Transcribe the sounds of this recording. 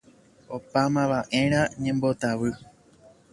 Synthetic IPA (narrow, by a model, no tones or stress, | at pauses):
opamãʋaʔẽ̞ɾ̃ãɲẽ̞mbo̞t̪aʋɨ